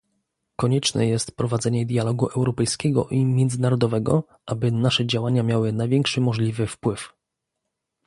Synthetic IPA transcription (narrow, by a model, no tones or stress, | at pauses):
kɔɲɛt͡ʂnɛ̰jɛst̪pɾɔvad̪zɛɲɛd̪ʲjalɔɡuʔɛwɾɔpɛjskʲɛɡɔ̰ʔimʲjɛnd̪zɘnaɾɔd̪ɔvɛɡɔ̰ | ʔabɘnaʂɛd͡ʑawaɲamʲjawɘnajvʲjɛŋkʂɘmɔʐlʲivɘfpwɘf